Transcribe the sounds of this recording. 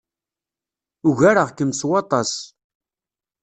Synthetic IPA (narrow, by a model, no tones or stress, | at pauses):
ʊʝaɾəʁkəmswɑt̪ˤɑs